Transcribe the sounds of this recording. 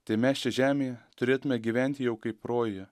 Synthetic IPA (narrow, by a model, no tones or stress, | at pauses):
t̪ɐɪmʲɛst͡ʃʲɛʒʲæːmʲeːjɛt̪ʊɾʲeːt̪ʊmʲɛɡʲiʋʲænʲt̪ʲɪjɛʊkɐɪpɾoːje